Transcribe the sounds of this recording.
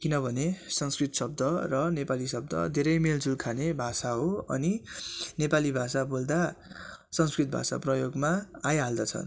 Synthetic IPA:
kinʌbʱʌnesʌŋskrit̪sʌb̚d̪ʌrʌnepalisʌb̚d̪ʌ̰d̪ʱeɾʌjmeld͡zulkʰanebʱasaɦoʌ̰ninepalibʱasabold̪a | sʌŋskrit̪̚bʱa̰sa̰prʌjoɡmaːjɦald̪at͡sʰʌ̰n

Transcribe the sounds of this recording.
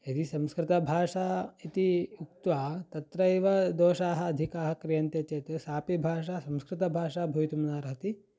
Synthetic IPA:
ɐt̪isɐ̃mskɾɪt̪ɐbʱaːʂait̪iukt̪ʋaːt̪ɐt̪ɾɐeːʋɐd̪oːʃaːɦɐɐd̪ʱikaːɦɐ̆kɾijɐnt̪eːt͡ʃeːt̪ɐsaːpibʱaːʂ̬asɐmskɾɪt̪ɐbʱaːʂaːbʱɐjt̪umnaːɾɐɦɐt̪i

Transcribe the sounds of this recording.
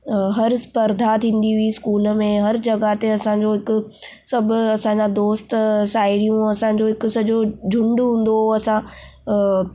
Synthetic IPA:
ɦɐɾspɐɾd̪ʱat̪ʰĩːn̆d̪iɦuiskuːləmẽɦɐɾd͡ʑɐɡat̪eɐsãɲd͡ʑoɦɪkʊ̆ | sɐbʱʊ̆ɐsãɲd͡ʑãd̪oːst̪saːɪɾijũɐsãɲ̆d͡ʑoɦɪkʊ̆sɐd͡ʑod͡ʑʱʊ̃ɳɖɦũːn̆d̪oɐsã

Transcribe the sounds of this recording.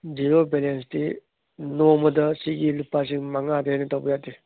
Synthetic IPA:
d͡ʒiɾobelens̬di | nomɐdɐsiɡilupːas̬iŋmaŋadɐanɐtawbɐjati

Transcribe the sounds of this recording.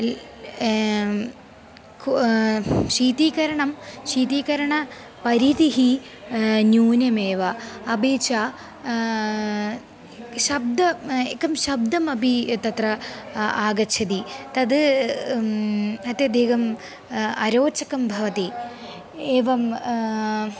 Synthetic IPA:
k | ʂiːt̪iːkɐɾɐɳɐmɕiːt̪iːkɐɾɐɳɐ | pɐɾit̪iɦi | njuːnɐmeːʋɐːbit͡ɕa | ɕɐb̚d̪ɐekːɐmɕɐb̚d̪ɐmɐbit̪ɐt̪rɐaːɡɐt͡ɕʰɐd̪it̪ɐd̪ɨ | ɐt̪jɐd̪ʱiːkɐm | ɐɾoːt͡ɕɐkɐmbʱɐʋɐt̪i | eːʋɐm

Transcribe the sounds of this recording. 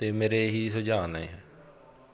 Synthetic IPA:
t̪eːmeːɾeːɦiːsʊd͡ʒaːnaɦɛː

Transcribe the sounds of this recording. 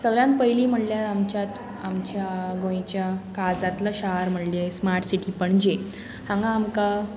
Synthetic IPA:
səɡɭljãnt̪̚pəjliːm̤əɽljat̪amt͡ɕat̪ | amt͡ɕjaɡõjẽt͡ɕjakad͡zat̪laɕaɦaɾm̤əɽlesmaɾʈsiʈiːpəɳd͡ʑe | hãŋɡaːmka

